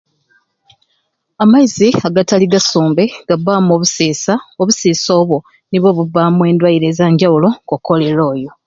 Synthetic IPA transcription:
amaiziaɡataliɡasuːmbe̞ɡ̥abːaːmoːβusiːsaoβusiːso̞ːβwo̞ | niβo̞ːβuvaːmwe̞ːndwajiɾezaːɲɟawulo̞koko̞le̞ɾo̞ːjo̞

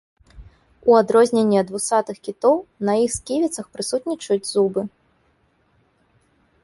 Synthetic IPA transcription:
uad̪ɾɔzʲnʲenʲːiɐd̪vusat̪ɨxkʲit̪ɔwnɐjixskʲivʲit̪sɐxpɾɨsut̪ʲnʲit͡ʂɐjud͡zʲzubɨ

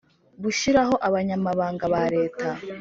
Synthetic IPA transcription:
βuʃiɾaɦo̞ʔaβaɲamaβaːŋɡaβaɾe̞ːtʰa

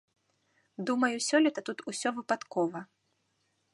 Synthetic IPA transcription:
d̪umɐjusʲɔlʲɛt̪ɐt̪ut̪usʲɔvɨpat̪kɔvɐ

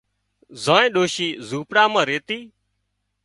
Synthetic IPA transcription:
zãːẽːɗoːʃiːzuːpɽaːmãːɾeːt̪iː

